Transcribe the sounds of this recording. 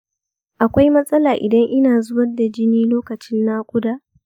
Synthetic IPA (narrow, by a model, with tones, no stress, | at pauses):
ʔa˨kʷa˦jmɐ˦sʼɐ˦laː˨ʔɪ˨dɐ˦ŋʔɪ˦naː˨zʊ˦wɐ˦da˨d͡ʒɪ˦niː˦loː˦kɐ˨t͡ʃɪ˦nːaː˦kʷʊ˦daː˦ʔ